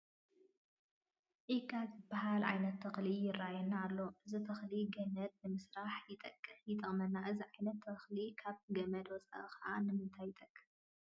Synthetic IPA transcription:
ʕikʼːazɨbːaɦalʕa̰jnɐt̪ːʰɐxlijɪrːajɛnːaːlːo̞ɨzɨt̪ʰɐxliɡɐmɐd̪̚nɨmɨsɾaħjɪt̪ʼɐkʼːɨjɪt̪ʼɐχʼmɐnːaʔɨziʕajnɐt̪ːɐxlikʰaβɡɐmɐd̪wɔt͡sʼa̰ʔɨkɐʔanɨmɨnt̪ʰajːɪt̪ʼɐkʼːɨ̥

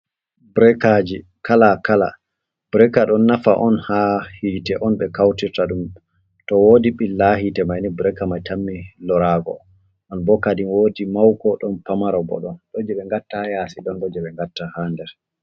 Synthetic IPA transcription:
bɾɛkad͡ʒi | kʰalakala̰ | b̥ɾɛkaɗɔnːafa̰ʔɔnhahiːtɛʔɔnɓɛkawtiɾtaɗum | tɔwoːdiɓilːaɦitɛmajnibɾɛkamajtamːilɔɾaɡɔ̰ | ʔɔnbɔkadinwoːdimawkɔɗɔnpamaɾɔbɔ̰ɗɔnɗɔd͡ʒɛɓɛŋɡatːahjasiɗɔnɗɔd͡ʒɛɓɛŋɡatːahandɛɾ

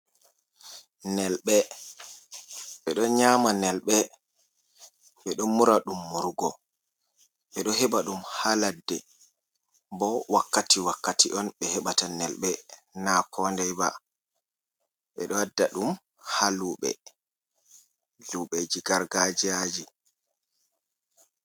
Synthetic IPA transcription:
nɛlɓɛ | ɓɛɗɔɲamanɛlɓɛ | ɓɛɗɔmuɾaɗumːuɾɡɔ | ɓɛɗɔɦɛbaɗumhaladːɛ | bɔwakːatiwakːatiʔɔnɓɛhɛɓatanɛlɓɛnakʰɔndɛjba̰ | ɓɛɗɔadːaɗum | haluɓɛ̰ | luɓɛd͡ʒiɡaɾɡad͡ʒiad͡ʒi

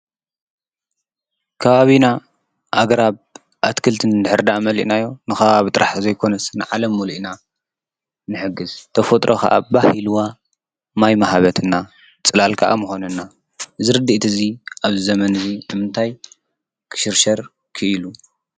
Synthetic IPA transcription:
kʰɐβaβina | ʔaɡɾaβ | ʔat̪kʰɨlt̪ʰɨnd̪ɨħɨɾd̪amɐlḭʔnajːo̞nɨxɐβaβit̪ʼɨɾʔaħzɐjkʰo̞nɐsnɨʕalɐmːuluʔina | nɨħɨɡːɨzt̪ʰɐfot̪ʼɾʔokʰɐ̰ʔa̰bahilwa | majmahaβɐt̪ʰɨnːa | t͡sʼɨlalkʰaʔa̰mɨxo̞nɐnːa | zɨɾɨd̪iʔt̪ʰɨziʔaβzɨzɐmɐnɨzinɨmɨnt̪ʰaj | kʰɨ̥ʃɨɾʃɐɾ | kʰɨilu

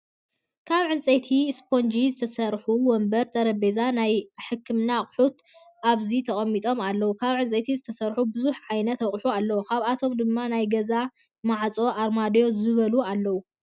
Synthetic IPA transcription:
kʰaβʕɨnt͡sʼɐt̪ʰispʰo̞nd͡ʒizɨt̪ʰɐsɐɾħuwɔmbɐɾt̪ʼɐɾɐbezanajħɨkʰːɨmnaχʼħut̪ | ʔaβzit̪ʰɐχʼɐmːit̪ʼo̞malːɐwukʰaβʕɨnt͡sʼɐt̪ʰizɨt̪ʰɐsɐɾħubɨzuħʕajnɐt̪ɐkʼħualːɐwokʰaβat̪ʰo̞md̪ɨmːanajɡɐza | maʕt͡sʼo̞ʔaɾmad̪jo̞zɨβɐlualːɐwu

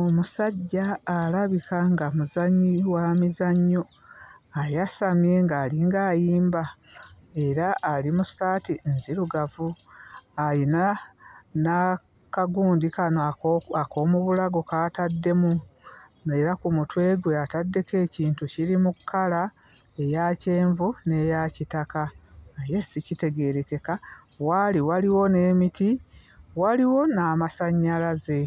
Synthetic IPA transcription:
omusaɟːaːlaβikʰaŋɡamuzaɲːiwamizaɲːo | ajasamje̞ŋɡaːliŋɡaːjiːmba | e̞ɾaʔːlimusaːtinziɾuɡavu | ajina | na | kaɡuːndikanoako̞ːmuβulaɡokaːtadːe̞mu | meɾakumutwe̞ɡweatadːe̞ke̞ːciːntuciɾimukʰːala | e̞jace̞ːɱvune̞jacitakaːje̞sicite̞ɡe̞ɾe̞ke̞ka | waliwaliwo̞ne̞ːmiti | waliwo̞namasaɲːalaze̞

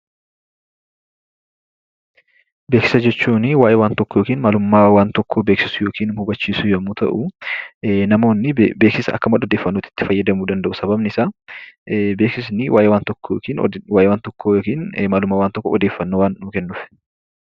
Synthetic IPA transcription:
be̞ːksɪ̥sɐd͡ʒɛt͡ʃːuːnɪwaːjʔewaːnt̪ɔkːɔjoːkiːnmaːlʊmːaːwaːnt̪ɔkːoːbeːksɪsʊjo̞ːkiːnmhʊbɐt͡ʃːiːsʊjɐmuːt̪ɐ̰ʔʊ | nɐmo̞ːnːɪbeːksɪsɐɐ̰kːɐmɐᶑɔd̪eːfːɐnːoːt̪ɪ̥t̪ːɪfɐjːɐd̪ɐmud̪ɐnd̪ɐʔʊsɐbɐbnɪɪsaː | be̞ːksɪsnɪwaːjʔewaːnt̪ɔkːoːkiːn̰waːjʔewaːnt̪ɔkːojoːkiːnmaːlʊmːaːwaːnt̪ɔkːo̰ɔd̪eːfːɐnːowaːnːuːkɛnːʊfɛ̥

